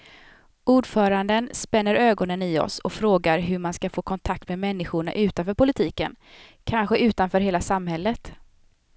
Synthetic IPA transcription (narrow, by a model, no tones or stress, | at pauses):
uːɖfœːɾand̪ənspɛnːəɾøːɡɔnənɪɔ̰sɔkfɾoːɡaɾɦɵmanskafoːkʰɔnt̪ʰak̚t̪mɛmɛnːɪɧʊɳa̰ʔʉ̟ːt̪anfœːɾpʊlɪt̪ʰiːkə̰nkʰanɧəʉ̟ːt̪anfœːɾɦeːlasamhɛlːət̪